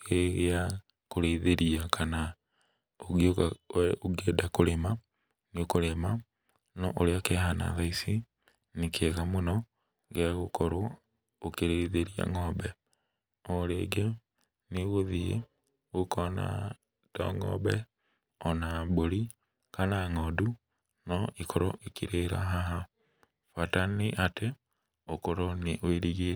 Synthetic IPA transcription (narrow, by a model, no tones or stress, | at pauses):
eɣea | koɾeiðeɾiakʰana | oɡooɡeːdakoɾema | niokoɾema | nɔʔoɾeakeɦana̰ðaisi | nikʰeɣamunɔ | ɣeɣokoɾo | okeɾeiðeɾia̰ŋɔːbɛ | oɾeɡe | niɣoðiḛ | ukʰona̰ | to̰ŋo̰be | onaboɾi | kanaŋodu | noʔikʰoɾo̰ʔikiɾeɾa̰ɦaɦa | fataniʔate | okoɾoniweɾiɣe